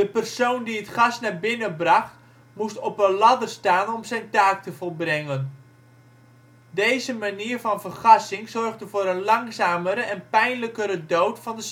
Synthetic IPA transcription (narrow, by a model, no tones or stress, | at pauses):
d̥əpərsowndiətχɑsnaːrbɪnəbrɑχt | mustɔpənlɑdərstaːnɔmzɛjntaːk̚təvɔlˠbrɛŋən | dejzəmaniːrvɑnvərχɑsɪŋzɔrχdəvoːɾənlɑŋsaːməɾəʔɛnpɛjnləkəɾədowtfɑndəs